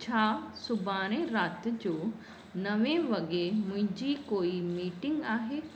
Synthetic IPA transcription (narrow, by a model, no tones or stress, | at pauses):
t͡ɕʰaːsʊbʱaːɽ̃ẽɾaːt̪d͡ʑoː | nɐʋẽʋɐɡemʊ̃ɦɪ̃ɲd͡ʑikoːimiːʈɪŋɡaːɦeː